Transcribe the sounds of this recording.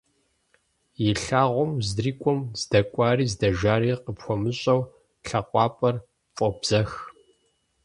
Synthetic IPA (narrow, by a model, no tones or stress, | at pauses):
jɪɬaːʁʷɔmzdriːkʷʼɔmz̥dɐkʷʼɑːriːzdɐʒaːɾiːqəpxʷɔmɨɕʼɐw | ɬɐqʷʼɑːpʼɐr | fʼɔbz̥ɐx